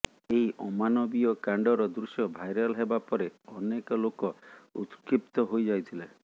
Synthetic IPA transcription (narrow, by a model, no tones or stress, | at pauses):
eɦiʔɔmanɔbiɔkaɳɖɔɾɔd̪ɾusjɔbʱajɾɔlɦebapɔɾeɔnekɔlokɔṵt̪kip̚t̪ɔɦojd͡ʒajt̪ʰile